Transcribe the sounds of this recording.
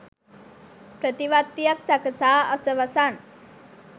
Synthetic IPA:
pɾət̪iʋat̪ːijaksakəsaəsəʋəsan

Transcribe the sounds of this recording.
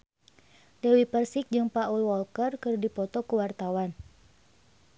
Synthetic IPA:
dɛwipərsik̚d͡ʒɨŋpaʔuwɔlkərkɨrdipɔt̪ɔkuwart̪awan

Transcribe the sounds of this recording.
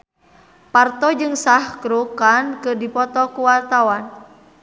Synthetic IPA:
part̪ɔd͡ʒɨŋsahkɾukankɨrdipɔt̪ɔkuwart̪awan

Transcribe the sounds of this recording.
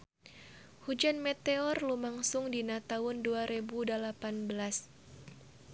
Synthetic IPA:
hud͡ʒanmɛt̪eɔrlumaŋsʊŋdinat̪aʊnduaɾebudalapanbəlas

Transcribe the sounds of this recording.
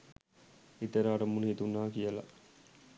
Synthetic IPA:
it̪eɾaːɾɐmunit̪unaːkijɐlɐ̰

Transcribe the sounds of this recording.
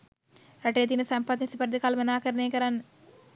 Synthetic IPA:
ɾɐʈejɐt̪inusɐmpɐt̪nisipɐɾd̪ikaːlɐmɐnaːkɐɾɐneːkɐɾanːɐ

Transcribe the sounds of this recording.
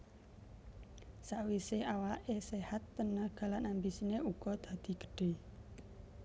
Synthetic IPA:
saʔwiseʔawaʔesehat̪ːənaɡ̥a̤lanambisineuɡ̥ɔd̪̥ä̤d̪̥i̤ɡ̥ə̥ɖ̥e̤

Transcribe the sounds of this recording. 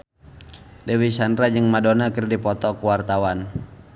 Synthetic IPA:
dɛwisandɾad͡ʒəŋmadonakərdipɔt̪ɔkuwart̪awan

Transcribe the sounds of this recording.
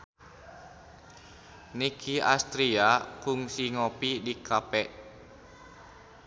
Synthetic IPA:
nikʰia̰st̪ɾiakuŋsiŋopidikʰapɛʔ

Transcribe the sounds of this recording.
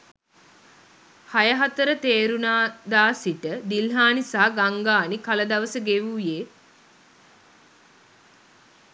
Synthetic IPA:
hajəɦat̪əɾət̪eːɾunaːd̪aːsiʈəd̪ilɦaːnisaɦaɡaŋɡaːnikaləd̪aʋəsəɡeʋuje

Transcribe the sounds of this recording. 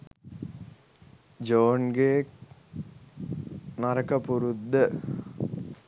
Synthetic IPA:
d͡ʒoːnɡeːk | nɐɾɐkːɐpuɾud̪ɐ

